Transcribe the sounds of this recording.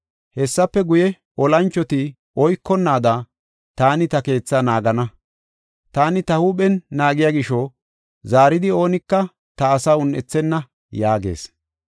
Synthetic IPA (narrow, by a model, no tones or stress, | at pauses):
hɛsːɐpːɛɡʊjɛ | ɔlɐnt͡ʃːɔt̪ɪ | ɔjkːɔnːaːd̪a | t̪aːnɪt̪ɐke̞ːt͡sːanaːɡɐnɐ | t̪aːnɪt̪ɐhuːɓɛnːaːɡɪjaːɡɪʃɔ | zaːɾɪd̪ɪo̞ːnɪkːɐ | t̪ɐːsaːʊnʔɛt͡sːɛnːɐ | jaːɡe̞̰ːs